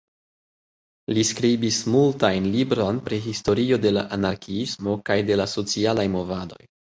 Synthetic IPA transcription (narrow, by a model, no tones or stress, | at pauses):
liskɾibismultajnlibɾo̞npɾiɦisto̞ɾio̞de̞laʔanaɾkʰiismo̞kajde̞laso̞t͡sialajmo̞vado̞̰j